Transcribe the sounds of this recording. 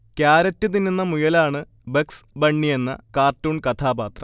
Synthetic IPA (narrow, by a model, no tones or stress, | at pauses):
kjaːɾɐtːɨt̪inːinːɐmujɐlaːɳɨ | beksbɐɳːije̞nːɐ̰kaːrtːuːɳkɐt̪ʰaːbaːt̪rɐ